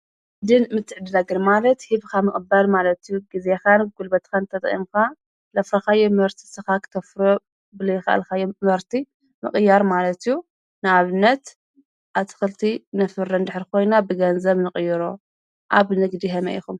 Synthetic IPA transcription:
d̪ɨnmɨt̪ʰːɨʕd̪ɨnaɡɨnmalɐt̪hiβkʰamɨkʼbalmalɐt̪ijuɡizexanɡ̥ulbɐt̪kʰant̪ʰɐt̪ʼɐ̰ḭmka | lɐfɾɐxajːomɐɾt̪ʰi̥sɨxakʰɨ̥t̪ʰɐfɾo | bɨlɐjːxɐʔa̰lxajːomɐɾt̪ʰi | mɨ̰kʼɨjːaɾmalɐt̪ijːu | nɨaβɨnːɐt̪ | ʔaβt̪ʰɨ̥xɨlt̪ʰinɨfɨɾːɐnd̪ɨħɾikʰo̞jnabɨɡɐnzɐβnɨkʼɨjːɨɾo | ʔaβnɨɡd̪iɦɐmɐ̰ʔixum

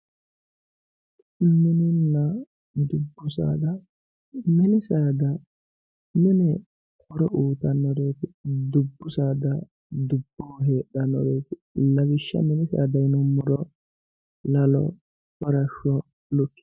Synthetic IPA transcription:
mɪnɪnːɐ | md̪ʊbːʊsa̰ːd̪ɐ | mɛnɪsaːd̪ɐ | nʊnɛ | kɔɾɔʔuːt̪ɐnːɔɾeːt̪ɪd̪ʊbːʊsaːd̪ɐ | d̪ʊbːoːɦeːɗɐnːɔɾeːtɪlɐɡɪʃːɐ̰mɛnɪsa̰ːd̪ɐjnɔmɔɾɔ | lɐlɔ̰ | kɔɾɐʃːɔ | lʊkːɪ

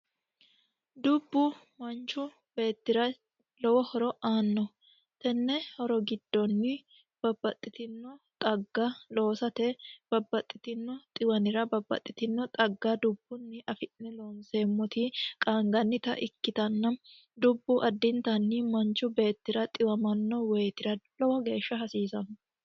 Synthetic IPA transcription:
d̪ʊbːʊ | mɐnt͡ʃʊ | be̞ːt̪ːɪɾɐ | lɔwɔhɔɾɔʔaːnːɔ | t̪ɛnːɛhɔɾɔɡɪd̪ːɔnːɪ | b̥ɐbːɐt̪ʼːɪt̪ɪnːɔt̪ʼɐɡːalo̞ːsɐt̪ɛb̥ɐbːɐt̪ʼːɪt̪ɪnːɔt̪ʼɪwɐnɪɾɐbɐbːɐ̰t̪ʼːɪt̪ɪnːɔt̪ʼɐɡːɐd̪ʊbːʊnːɪʔɐfɪnnɛloːnse̞ːmːɔt̪ɪkʼaːŋɡɐnːɪt̪ɐ̰ʔɪkːɪt̪ɐnːɐ | d̪ʊbːʊʔɐd̪ːɪnt̪ɐnːɪmɐnt͡ʃːʊbe̞ːt̪ːɪɾɐt̪ʼɪwɐmɐnːɔweːt̪ɪɾɐlɔwɔɡe̞ːʃːɐɦɐsiːsɐnɔ

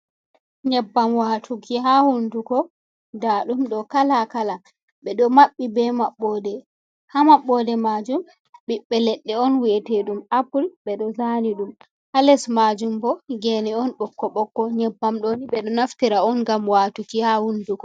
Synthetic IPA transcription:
ɲɛbːamwatʰukiɦahundukɔ | daɗumɗɔkalakala | ɓɛɗɔmaɓːibɛmaɓːɔːdɛ | hamaɓːɔdɛmad͡ʒum | ɓiɓːɛlɛɗːɛɔnwiɛteɗumapulɓɛɗɔzaniɗum | halɛsmad͡ʒumbɔɡɛniɔnɓɔkːɔɓɔkːɔɲɛbːamɗoniɓɛɗɔnaftiɾaɔnɡamwatukihahundukɔ

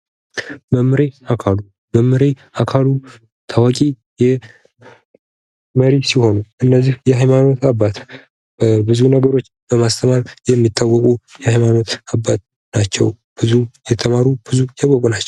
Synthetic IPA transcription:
bəmɨɾeakʰalu | bəmɨɾe | akʰalu | t̪ʰawakʼi | jɛ | məɾisiho̞nuʔɨnːəzːihjɛhajmano̞t̪abːat̪ | bəbɨzunəɡəɾo̞t͡ʃːbəmast̪ʰəmaljɛmːit̪ʼːawːɔkʼujɛhajmanot̪abːat̪ | nat͡ʃːɛw | b̥ɨzujɛt̪ʰəmaɾub̥ɨzujakʼːɔkʼunat͡ʃːɛw

